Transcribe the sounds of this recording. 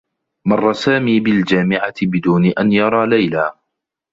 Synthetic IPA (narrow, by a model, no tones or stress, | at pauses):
mɑrˤːɑsaːmiːbɪld͡ʒaːmɪʕaɪbɪd̪uːnɪʔanjɑɾˤɑːlajlaː